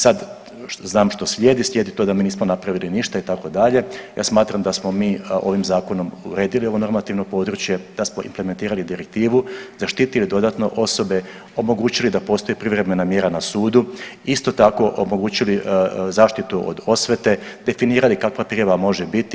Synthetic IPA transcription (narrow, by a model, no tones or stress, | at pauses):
sad̪ | znaːmʃt̪o̞slʲje̞d̪islʲje̞d̪it̪o̞d̪amiːniːsmo̞napɾaʋiliniʃt̪ait̪ako̞d̪aʎe̞ja̰ːsmaːt̪ɾamd̪asmo̞miːo̞ʋimzaːko̞no̞mṵɾe̞ːd̪ilio̞ʋo̞no̞ɾmat̪iʋno̞po̞ːd̪ɾut͡ɕje̞d̪̥asmoʔḭmpleme̞nt̪iːɾalid̪iɾek̚t̪iːʋuzaʃt̪it̪ilid̪o̞d̪at̪no̞ʔo̞so̞be̞ | o̞mo̞ɡuːt͡ɕilid̪apo̞ːst̪oipɾiʋɾeme̞namje̞ɾanasuːd̪uist̪o̞t̪ako̞ʔomo̞ɡuːt͡ɕilizaːʃt̪it̪uʔo̰d̪o̞sʋet̪e̞d̪e̞finiːɾalikakʋapɾiaʋamo̞ʒebit̪i